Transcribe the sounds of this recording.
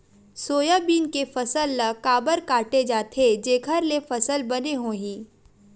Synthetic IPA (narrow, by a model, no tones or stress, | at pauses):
soːjabiːnkefɐsəlːɐkaːbəɾkaːʈed͡ʒaːt̪ʰed͡ʒeːɡʱəɾlefɐsəlbɐneɦõːɦĩː